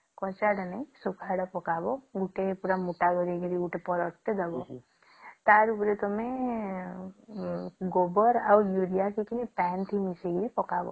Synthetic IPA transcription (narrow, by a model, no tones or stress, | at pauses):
kɔt͡ʃaɽanajsukʰaɽapɔkabɔɡuʈepuɾamuʈaɡɔɾiɡiɾiɡuʈepɔɾɔʈːed̪abɔ | t̪aɾupɾet̪ɔme | ɡobɔɾawjuɾijakikinipɛnt̪ʰimiseɡiɾipɔkabɔ̰